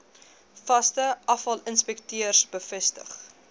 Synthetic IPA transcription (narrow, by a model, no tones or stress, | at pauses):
fɐstəʔɐfɐlənspɛktyərsbəfɛstə̰χ